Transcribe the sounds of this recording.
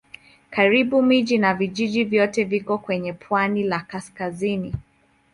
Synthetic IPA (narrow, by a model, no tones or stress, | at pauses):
kaɾiɓumiʄinaviʄiʄivjɔtɛvikɔkwɛɲɛpʰwanilakaskazini